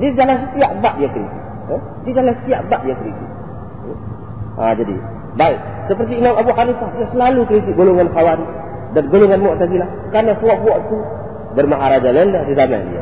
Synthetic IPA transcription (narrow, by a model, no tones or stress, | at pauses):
diad͡ʒalansət̪iaʔbaʔdiakɾḭt̪ɪ | ə | diad͡ʒalansə̥t̪iaʔbaʔdiakəɾit̪ɪʔ̚ | a̰d͡ʒadḭ | baiʔ | səpərt̪̬iːnɔŋabʔhanifahdiasəlalukəɾit̪̬iʔ̚ɡoloŋanxawaɾi | danɡoloŋanmɔʔt̪aɡilah | karnasuɔʔbɔʔt̪u | bərmaɦaɾad͡ʒalaəndahdizama̰dḭa̰